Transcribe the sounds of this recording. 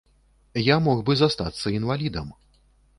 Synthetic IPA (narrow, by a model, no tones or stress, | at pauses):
jamɔɣbɨzast̪at̪sːɐinvalʲid̪ɐm